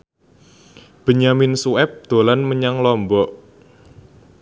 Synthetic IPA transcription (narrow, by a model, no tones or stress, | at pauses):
b̥ə̤ɲamɪnsuɛp̚d̪̥o̤lanməɲaŋlɔmbɔʔ